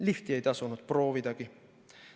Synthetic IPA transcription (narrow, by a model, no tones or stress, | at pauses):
liht̪ie̞jt̪ɑsunud̪̥̚pro̞ːvid̪̥ɑɡ̥i